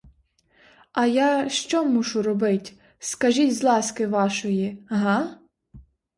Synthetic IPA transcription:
ɐjɑʃt͡ʃɔmuʃʊɾɔbɪtʲ | skɐʒʲitʲzlˠɑskɪʋɑʃɔjiɦɑ

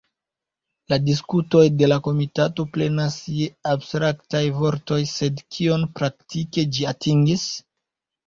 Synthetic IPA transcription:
ladis̬kuto̞jde̞lako̞mitato̞ple̞nasjeabstɾaktajvo̞ɾto̞jse̞dkʰio̞npɾaktike̞d͡ʒiatʰiŋɡis

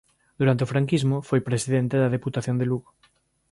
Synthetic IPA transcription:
d̪uɾant̪eofɾaŋkizmofojpɾesiðent̪eðɐðeput̪aθjond̪eluɣ

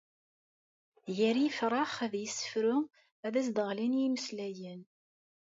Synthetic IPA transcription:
jæɾifɾˤɑχæðjəsːə̥fɾʊ | æðæsd̪əʁlinjiməslæjən

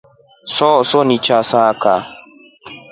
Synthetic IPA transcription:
sɔsɔnit͡ʃasaka

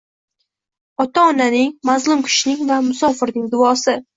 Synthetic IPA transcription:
ɒt̪ʰaɒnanɪŋmazlˠʊmkʲʰɪ̥ʃɪnɪŋvamʊsɒfɪɾnɪŋd̪ʊɒsɪ

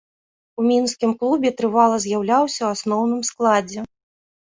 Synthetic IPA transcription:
umʲinskʲimklˠubʲɛt̪ɾɨvalˠɐzʲjawlʲawsʲɐwasnɔwnɨmsklˠad͡zʲɛ

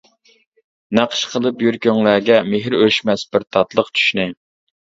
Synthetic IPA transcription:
næqʰə̥ʃqʰəlˠɨpjyɾkʲʰøŋlæːɡʲɛmeɦɾøʃmɛsbɪɾt̪ʰɑt̪lˠəqt͡ʃʰy̥ʃnɪ

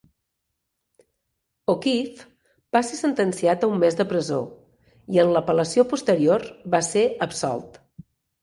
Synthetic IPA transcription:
okif | b̥asesənt̪ənsiat̪əumːezd̪əpɾəzo̰ | iənləpələsiopust̪əɾiorbaseəpsɔ̰lˠt̪

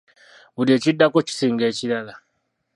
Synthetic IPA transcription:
βuɾie̞ːcidːakoci̥siːŋɡe̞ːciɾala

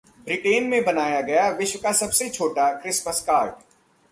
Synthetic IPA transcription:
bɾɪʈeːnmẽbɐnaːjaɡɐjaʋɪʃwəkasɐbset͡ʃʰoːʈakɾɪsməskaːɾɖ

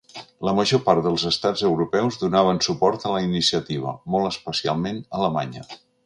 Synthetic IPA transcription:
ləməʒopaɾt̪ðəlˠzəst̪ad͡zəwɾupɛwzðunaβ̞ənsupɔɾt̪ələinisiət̪iβ̞ə̰mɔlˠəspəsia̰lˠmenələma̰ɲə̰

